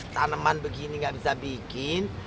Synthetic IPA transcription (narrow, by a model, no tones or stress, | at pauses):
t̪anəmanbəɡiniŋɡaʔbisabikɪn